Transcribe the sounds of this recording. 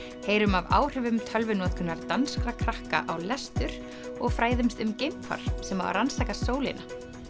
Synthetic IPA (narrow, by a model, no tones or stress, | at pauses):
heːjɾʏmava̰ːwr̥ʏvʏmt̪ʰœlvʏnɔːt̪kʰʏnːaɾt̪anskɾakʰɾahka̰ʔawlɛst̪ʏɾ̥ | ɔɣfɾaːjðɪmst̪ʏmcejmkʰfa̰ɾ̥sɛmaɾa̰ɾansaːjkasoːwlɪ̰na